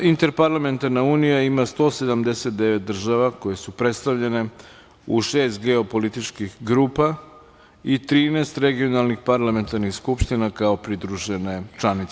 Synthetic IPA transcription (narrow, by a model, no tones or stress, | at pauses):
int̪e̞ɾpaɾlame̞nt̪aɾnauːnijaimast̪o̞ːse̞d̪amd̪e̞set̪̚d̪e̞ʋet̪̚d̪r̩ʒaʋako̞je̞supɾe̞t̪st̪aʋʎe̞ne̞ | uʃeːst̪ɡeo̞po̞lit̪it͡ʃkixɡɾuːpa | it̪ɾiːneːst̪ɾeɡio̞nalˠnixpaɾlˠame̞nt̪aɾnixskupʃt̪inakao̞pɾid̪ɾuʒene̞t͡ʃlanit̪s